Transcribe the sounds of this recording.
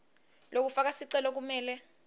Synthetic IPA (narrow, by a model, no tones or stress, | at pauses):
lok̬ufak̬asiǀɛlɔk̬umɛːlɛ